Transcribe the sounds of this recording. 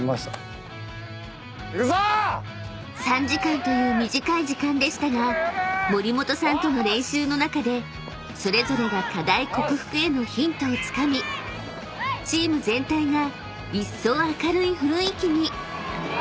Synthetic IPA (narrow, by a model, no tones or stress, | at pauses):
mas | sãɲ̟d͡ʑikãnt̪o̞jɯ̟ːmʲiʑikaiʑikãnd̪e̞ɕi̥t̪aɡamo̞ɾʲimo̞t̪o̞sãnt̪o̞no̞ɾẽ̞ɰ̃ɕɨːno̞nakad̪e̞ | so̞ɾe̞zo̞ɾe̞ɡakad̪aiko̞kɯ̟ɸɯ̥kɯ̟e̞no̞çĩnt̪o̞ːt͡sɨ̥kamʲi | t͡ɕiːmɯ̟zẽ̞nt̪aiɡa | isːo̞ːakaɾɯ̟iɸɯ̟ɾɯ̃ikʲiɲ̟i